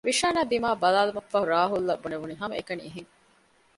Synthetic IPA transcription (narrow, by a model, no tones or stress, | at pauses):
ʋiʃaːnaːd̪imaːbɐlaːlumɐfːɐɦuɾaːɦulːɐbːuneʋuniɦɐmɐekɐnḭːɦiŋ